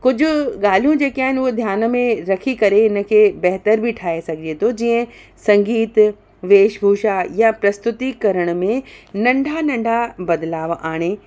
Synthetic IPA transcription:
kʊd͡ʑʱʊ̆ɠaːl̤ijũd͡ʑeːkiaːɦɪnʊɦod̪ʱjaːnmẽɾɐkʰikɐɾeɪnə̆kʰeːbɐɦt̪əɾbʱiʈʰaːesɐɡʱɪd͡ʑet̪ʰod͡ʑiːə̃ | sɐ̃ŋɡiːt̪ | ʋeːʃbʱuːʃajapɾɐst̪ʊt̪ikɐɾəɽ̃ʊmẽnɐ̃ɳɖʱanɐ̃ɳɖʱabɐd̪laːʋaːɽ̃e

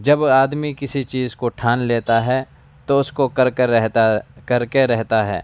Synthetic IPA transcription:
d͡ʒɐbaːd̪mikɪsit͡ʃiːzkoʈʰaːnleːt̪aɦɛ | t̪oʊskokɐɾeɛɦt̪kɐɾkeɾɛɦt̪aɦɛ̰ː

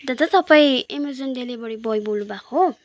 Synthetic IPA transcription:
d̪ʌd͡zʌt̪ʌpaĩemerd͡zʌnlelebʌɽibʌjbolnubakʰo

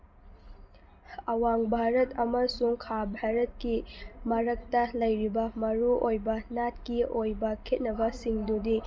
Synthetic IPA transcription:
ɐwaŋbʱaɾɐtɐmɐsuŋkʰabʱaɾɐt̚kimɐɾɐk̚tɐlɐjɾibɐmɐɾuʔojbɐnat̚kiojbɐkʰet̚nɐbɐsiŋdudi

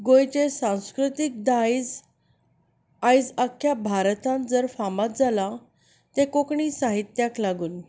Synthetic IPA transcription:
ɡojt͡ɕesãw̃skɾut̪ik̚d̪ajd͡z | ajd͡zakʰːjabʱaɾt̪ãnd͡zəɾfamat̪̚d͡zala | t̪ekokɳisaɦit̪jaklaɡuːn

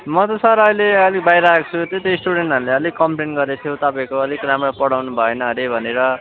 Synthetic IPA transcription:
mʌt̪ʌsʌɾʌjleʌlik̚bajɾʌakt͡sʰut̪et̪ejsʈuɽeɳʈʌɾuleʌlikkːʌmpɾenʈɡʌɾet̪ʰjot̪ʌpãĩkoʌlikramrʌpʌɽawnubʱʌenʌɾebʱʌneɾʌ

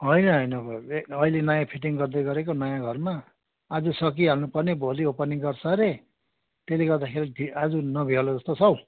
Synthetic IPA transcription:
ɦʌjnʌɦʌjnʌbʌilenʌjãpʰiʈ̬iŋɡʌrd̪ʌjɡʌɾekonʌjãɡʱʌrmaː | d͡zusʌkiɦanupʌrnebʱoliopʌniɡʌrt͡sʰʌɾe | t̪eleɡʌrd̪akʰeɾid̪ʱiad͡zunʌbʱialod͡zʌst̪ot͡sʰʌw̃

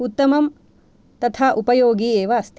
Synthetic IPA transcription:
ut̪ːɐmɐm | t̪ɐt̪ʰaːʔupɐjoːɡiːeːʋɐːst̪

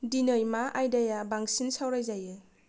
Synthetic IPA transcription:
dinɯjmaʔajdajabaŋsinsawɾajzajɯ

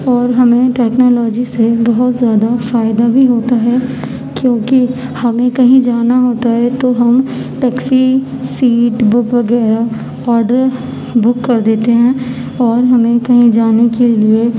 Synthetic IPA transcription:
ɔːɾɦɐmẽʈɛːknoːlɔːd͡ʒisebɐɦʊt̪zjaːd̪afaːɪd̪abʱiɦoːt̪aɦɛ | kjõːki | hɐmẽkɐɦĩd͡ʒaːnaɦoːt̪aɦɛt̪oɦɐmʈɛːksi | siːʈbʊkʋɐɡɛːɾa | ɔːɾɖəɾ | bʊkːɐɾd̪eːt̪eɦɛ̃ː | ɔːɾɦɐmẽkɐɦĩd͡ʒaːnekelie

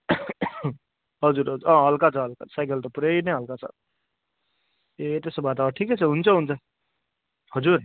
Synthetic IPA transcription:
ɦʌd͡zuɾɦʌuɾʔʌ̃ɦʌlkat͡sʰʌɦʌlka̰sajkʌlt̪ʌpuɾeineɦʌlkat͡sʰʌ̰ | et̪esʌbʱat̪aʈʰiket͡sʰʌɦunt͡sʰʌɦunt͡sʰʌ | hʌd͡zuɾ

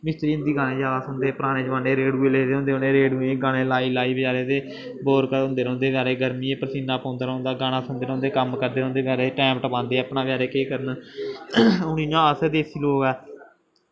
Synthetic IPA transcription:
mɪst̪ɾiːnd̪iːɡaːɽ̃ẽːd͡ʒaːd̪aːsõːnd̪eːpəɾaːɽ̃ẽːd͡ʒʋãːneːɾeːɖuːeːleːd̪eːɦõnd̪eːoneːɾeːɖuːeːɡaːɽ̃ẽːlaːiːlaːiːbd͡ʒaːɾeːt̪eː | boːɾkəõːnd̪eːɾõːnd̪eːʋjaːɾeːɡəɾmĩːẽːpəɾsiːnaːpɔ̃ːnd̪ɾõːnd̪aːɡaːɽ̃aːsõːnd̪eːɾõːnd̪eːkəmkəɾd̪eːɾõːnd̪eːʋjaːɾeːʈɛːmʈəpãːnd̪eːəpnãːʋɪjaːɾeːkeːkəɾən | ʊninãːəsd̪eːsiːloːɡɛː

